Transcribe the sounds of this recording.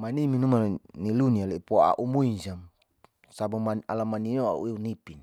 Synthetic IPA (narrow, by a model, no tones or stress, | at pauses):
maniminumanilunialeipoaa̰ʔumuinsam | sabumanalamaninoa̰ʔṵiunipin